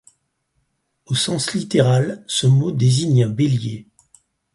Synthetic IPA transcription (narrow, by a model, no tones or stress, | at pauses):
osɑ̃slit̪eʁalsəmod̪eziɲɛ̃beljḛ